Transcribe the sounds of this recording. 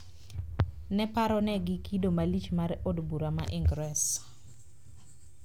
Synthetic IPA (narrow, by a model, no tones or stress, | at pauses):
nɛpaɾɔnɛɡɪkidomalit͡ʃmaɾodbuɾamaʔiŋɡɾɛs